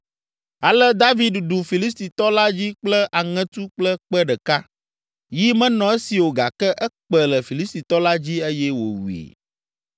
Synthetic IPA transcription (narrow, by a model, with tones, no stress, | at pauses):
a˨lɛ˦d̪a˦vi˨dɖu˨fi˨li˦st̪i˨t̪ɔ˦la˦d͡ʑi˦k͡plɛ˦ʔa˨ŋɛ̃˦t̪u˦k͡plə˦k͡pɛ˦ɖə˨ka˦ | ji˦mɛ̃˦nɔ̃˨e˦si˨wo˨ɡa̰˨kɛ˦ʔɛ˦k͡pɛ˨lə˨fi˨li˦st̪i˨t̪ɔ˦la˦d͡ʑi˦e˦jɛ˦wo̰˨wḭ˨